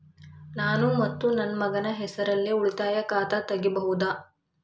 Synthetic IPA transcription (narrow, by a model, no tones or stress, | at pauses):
naːnumɐt̪ːunɐnːmɐɡɐnɐɦɛsɐɾɐlːiuɭit̪aːjɐkaːt̪ɐt̪ɐɡibɐɦud̪a